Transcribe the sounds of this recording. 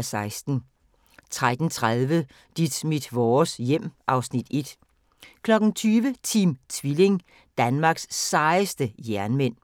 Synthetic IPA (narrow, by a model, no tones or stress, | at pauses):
sɑ̈ɪsd̥n̩ | t͡sʰʁad̥n̩t͡sʰʁaðˠʋə | d̥id̥mid̥ʋɒːsjem̰ʔɑ̈ʊsnid̥e̝d̥ | kʰlɒ̽ɡ̥n̩t͡sʰyːʋət͡sʰiːmt͡sʰʋile̝ŋ | d̥ænmɑ̈ːɡ̥sːɑ̈ɪəsd̥əjæɐnmen̰